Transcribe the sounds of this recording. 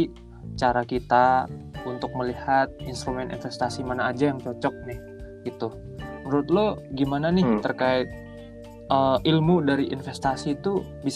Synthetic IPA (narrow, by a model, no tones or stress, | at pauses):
t͡ʃaɾakit̪aunt̪ʊk̚məlihat̪̚inst̪ɾumɛnḭnfɛst̪asimanaːd͡ʒajaŋt͡ʃɔt͡ʃɔk̚nɪh | ɡit̪u | məɾʊt̪̚lɔɡimananɪht̪ərkaɪt̪̚ | əilmudaɾiʔḭnfɛst̪asit̪u | bis